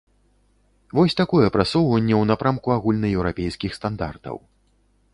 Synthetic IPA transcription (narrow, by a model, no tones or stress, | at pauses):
vɔsʲt̪akɔjɛpɾasɔwvɐnʲːɛwnapɾamkuaɣulʲnɐjɛwɾapʲejskʲixst̪and̪a̰rt̪ɐ̰w